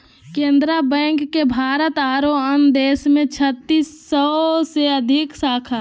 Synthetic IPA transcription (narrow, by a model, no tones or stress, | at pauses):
kẽːnd̪ɾabɛ̃ːŋkːebʱaːɾət̪aːɾoənd̪eːsmẽt͡ʃʰət̪ːisːəseəd̪ʱɪksaːkʰa